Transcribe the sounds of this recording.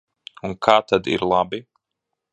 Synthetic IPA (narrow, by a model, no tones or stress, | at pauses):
unkʰaːt̪ad̪ḭɾlˠabi